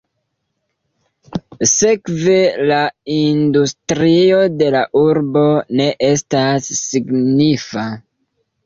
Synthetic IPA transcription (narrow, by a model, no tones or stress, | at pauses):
se̞kve̞laindustɾio̞de̞laʔuɾbo̞ne̞ʔe̞stasːiɡnifa